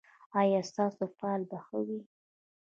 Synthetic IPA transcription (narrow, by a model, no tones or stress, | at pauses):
ɑjɑst̪ɑsofalbaxəwi